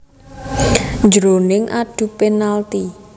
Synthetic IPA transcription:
nd͡ʒɾonɪŋʔaɖ̥ṳpenalt̪i

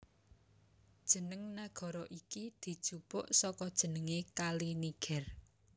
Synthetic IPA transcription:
d̥ʒ̥ə̤nəŋnaɡ̥ɔ̤ɾɔʔikid̪̥i̤d̥ʒ̥upʊʔsɔkɔd̥ʒ̥ə̤nəŋekaliniɡ̥ɛr

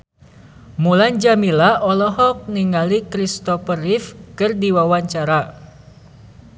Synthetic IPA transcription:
muland͡ʒamilaʔɔlɔɦɔk̚niŋalikɾist̪ɔfərifkɨrdiwawaɲt͡ʃaɾa

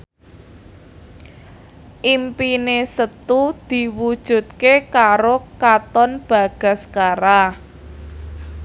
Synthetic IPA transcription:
ʔimpinesət̪ud̪̥i̤wud̥ʒ̥ṳt̪̚kekaɾokat̪ɔnb̥a̤ɡ̥a̤skaɾa

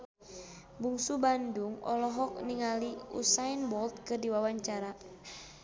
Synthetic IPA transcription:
buŋsubanduŋɔ̰lɔɦɔk̚niŋaliṵsajnbɔlt̪̚kɨrdiwawaɲt͡ʃaɾa

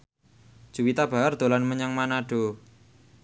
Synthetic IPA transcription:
d̥ʒ̥uwit̪ab̥a̤jard̪̥o̤lanməɲaŋmanaɖ̥o̤

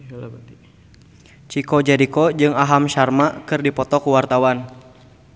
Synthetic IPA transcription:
t͡ʃikɔd͡ʒaɾikɔd͡ʒɨŋaɦamʃarmakɨrdipɔt̪ɔkuwart̪awan

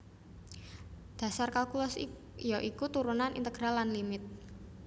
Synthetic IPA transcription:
d̪̥a̤sarkalkulɔs | jɔʔikut̪uɾunanʔḭnt̪əɡ̥ɾalːanlimɪt̪̚

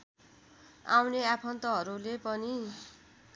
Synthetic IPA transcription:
a̰wneapʰʌnt̪ʌɦʌɾulepʌni

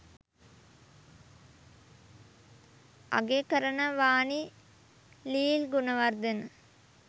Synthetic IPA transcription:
ɐ̰ɡekɐɾɐnɐʋaːni | liːlɡunɐʋɐrd̪ɐnɨ

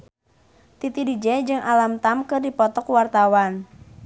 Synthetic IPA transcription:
t̪it̪idid͡ʒɛd͡ʒɨŋʔalamt̪amkɨrdipɔt̪ɔkwart̪awan

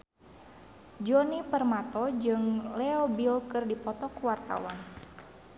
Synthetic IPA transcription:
d͡ʒɔnipərmat̪ɔd͡ʒɨŋlɛobilkɨrdipɔt̪ɔkuwart̪a̰wa̰n

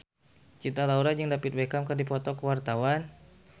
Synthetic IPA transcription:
t͡ʃit̪alauɾad͡ʒəŋdapit̪̚bekamkərdipɔt̪ɔkəwart̪awan

